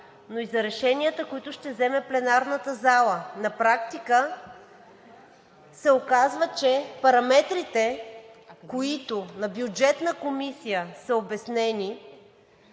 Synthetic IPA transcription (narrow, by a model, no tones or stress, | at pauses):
noizɐɾɛʃɛnijət̪əkoit̪ʊʃt̪ɛzɛmɛplɛnaɾnət̪əzalˠənɐpɾakt̪ikə | sɛokazvət͡ʃɛpɐɾɐmɛt̪ɾit̪ɛ | koit̪ʊnɐbjud͡ʒɛt̪nəkomisijəsəobɛsnɛni